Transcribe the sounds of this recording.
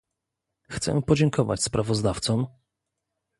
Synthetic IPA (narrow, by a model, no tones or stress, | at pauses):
xt̪sɛ̰pɔd͡ʑɛŋkʰɔva̰t͡ɕspɾʔavɔzd̪aft̪sɔm